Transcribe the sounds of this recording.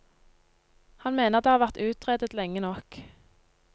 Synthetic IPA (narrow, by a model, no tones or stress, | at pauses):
hɑnmeːnəʁt̪d̪eːhɑːʁʋæʁt̪ʉːt̪ʁeːd̪ət̪lɛŋːənɔk